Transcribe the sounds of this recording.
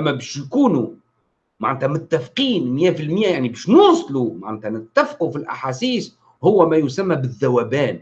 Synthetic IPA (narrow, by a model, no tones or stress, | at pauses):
ʔæmːæbæːʃjkuːnu | maʕnæt̪æmʊt̪ːæfqiːnmjæːfilmjæjaʕnibæːʃnuːsˤlumaʕnæːt̪ænɪt̪ːæfqufilʔa̰ħasiːs | hʊwːæmæjʊsæmːæbɪðːæwæːbæːn